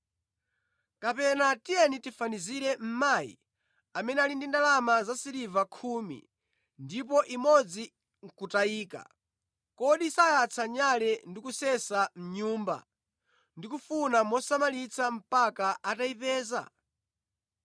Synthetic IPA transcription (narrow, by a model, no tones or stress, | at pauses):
kapɛnatijɛnitifaniziɾɛm̩maːjḭ | amɛnɛalindindalamazasiɾivakʰuːmḭ | ndip̬ɔʔimɔd͡zi | ŋ̩kutaiːka̰ | kɔɗisajat͡sʰaɲalɛndikusɛsam̩ɲuːmba̰ | ndikufunamɔsamalit͡sʰam̩pakaʔataipɛːza̰